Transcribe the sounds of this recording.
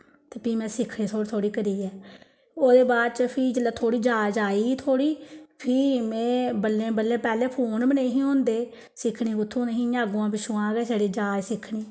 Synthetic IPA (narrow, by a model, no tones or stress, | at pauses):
t̪eːpiːmɛ̃ːsɪkʰɳẽːt̪ʰoːt̪ʰoːɽiːkəɾiːɛː | oːd̪eːbaːd̪t͡ʃəpʰɪːd͡ʒəlːaːt̪ʰoːɽiːd͡ʒaːd͡ʒaːiːt̪ʰoːɽiːpʰiːmɛ̃ːbəlːẽːbəlːẽːpɛːlẽːpʰuːnbəneːɦĩːɦõːnd̪eː | sɪkʰɳiːɡʊt̪ʰːõːnəɦĩːãːɡõːãːbiːsʊãːɡɛːseɽeːd͡ʒaːd͡ʒsɪkʰːɳiː